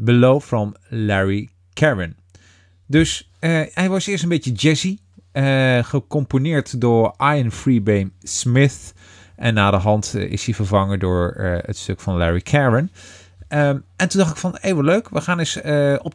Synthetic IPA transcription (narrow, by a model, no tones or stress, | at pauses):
bəlowfɹɔm | lɛɹi | kʰɛɹən | dɵs | əɛjʋɑsɪːəɹstənbejtjəd͡ʒɛzi | əχəkɔmponɪːɹtdʊːɹʔajənfɹibejmsmɪθ | ʔɛnːaːdəɦɑntɪ̰shivəɹvɑŋədʊːɹ̰ə̰tstøkfɑnlɛɹikʰɛɹən | əɛntundɑχtɪ̥kfɑnejʋəløɥkʋəχaːnɪsəɔp